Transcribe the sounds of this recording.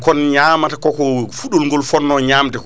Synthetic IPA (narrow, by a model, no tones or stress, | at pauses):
kɔnɲaːmatakɔkɔfuɗɔlŋɡɔlfɔnːɔɲaːmtɛkɔ